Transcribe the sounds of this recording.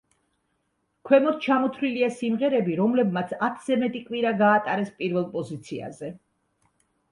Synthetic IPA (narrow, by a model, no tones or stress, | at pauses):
kʰwɛmɔt̪̚ʰt͡ʃʰamɔt̪ʰliliasimʁɛɾɛbiɾɔmlɛbmat̪sʰat̪ʰz̥ɛmɛt̪ʼikʼwiɾaɡaːt̪ʼaɾɛspʼiɾvɛlˠpʼɔzit̪sʰia̰zɛ